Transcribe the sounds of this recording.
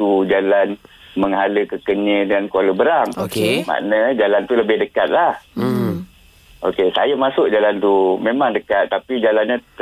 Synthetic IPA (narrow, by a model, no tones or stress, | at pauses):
t̪ud͡ʒalanməŋɦaləkəkəɲə̃dankualəbəɾaŋokema̰ʔnəd͡ʒalant̪uləbɪhdəkat̪̚lah | ʔokesa̰jamasʊk̚d͡ʒalant̪umẽmaŋdəkat̪ːapid͡ʒalanɲa